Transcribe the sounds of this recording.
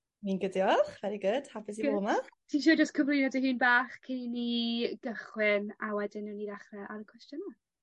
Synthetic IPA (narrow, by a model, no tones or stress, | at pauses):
minɡədiɔχvɛɾiɡʊd̥hapɪsiɔmatʰinʃ̬uːd͡ʒəs̚kʰəvlˠinadihɨːnbaːχkʰɪniniɡ̥əχwɪnawɛdɪnəniðaχrɛʔaɾəkʰw̥ɛstjɔna